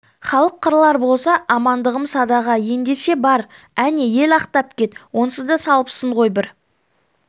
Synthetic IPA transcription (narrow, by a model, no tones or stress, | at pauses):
χɑlˠəqʰːəɾlˠɑɾbo̞lˠsɑʔɑmɑnd̪əʁəmsɑd̪ɑʁɑje̞nd̪e̞ʃe̞bɑɾ | æne̞je̞lɑqt̪ɑp̚kʲe̞t̪wo̞nsəzd̪ɑsɑlˠəpsəɴʁo̞jbɪɾ